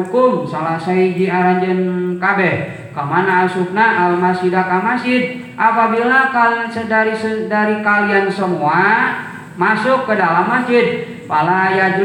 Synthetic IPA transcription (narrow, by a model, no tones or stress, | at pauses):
ukʊmsalasaid͡ʒiaɾaɲd͡ʒənkabɛh | kəmanaːsup̚naalmasidakamasd͡ʒɪd̪̚ | ʔapabilakaliansədaɾisədaɾikaliansəmua | masʊkːədalamːasd͡ʒɪd̪̚ | palajad͡ʒ